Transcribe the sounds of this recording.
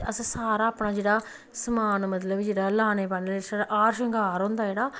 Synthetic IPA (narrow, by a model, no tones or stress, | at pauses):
əssaːɾaːpnaːd͡ʒeːɽaː | səmaːnmət̪̬ləbd͡ʒeːɽaːlaːneːpanlesaɾaʔaːɾʃəŋɡaːɾõːnd̪aːd͡ʒeːɽaː